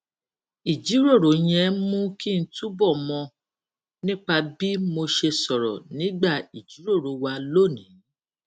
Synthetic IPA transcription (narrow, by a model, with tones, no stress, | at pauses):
i˨d͡ʒi˨˦ɾo˦˨ɾo˨˦j̃ɛ̃˧mũ˦ki˦˧n̩˦tu˦bɔ˦˨mɔ̃˧ | nĩ˦k͡pa˧bi˦mo˧ʃe˧sɔ˨ɾɔ̰˨nĩ˨˦ɡ͡ba˦˨i˨d͡ʒi˨˦ɾo˦˨ɾo˨˦wa˧lo˦˨nĩ˨˦